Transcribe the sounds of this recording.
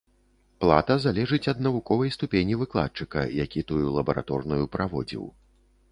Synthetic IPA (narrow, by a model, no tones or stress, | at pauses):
plˠat̪ɐzalʲɛʐɨt͡sʲɐd̪̚nɐvukɔvɐjst̪upʲenʲivɨklˠa̰t̪̚t͡ʂɨkɐ̰jakʲit̪ujulˠɐbɐɾa̰t̪ɔrnujupɾavɔ̰d͡zʲḭw